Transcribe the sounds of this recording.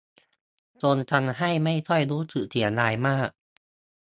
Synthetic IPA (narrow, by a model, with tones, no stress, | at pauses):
t͡ɕo˧nt͡ɕʰa˧nɦa˥˩jma˥˩jt̪ʰɔ˥˩jduː˦˥t̪ʰɯ˨˩t̪ʰi˩˦ənlaː˧jmaː˥˩k̚